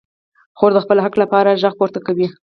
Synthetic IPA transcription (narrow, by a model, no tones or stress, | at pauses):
xoɾd̪əxpəlɦaklapɑɾaʒaɣpoɾt̪akawi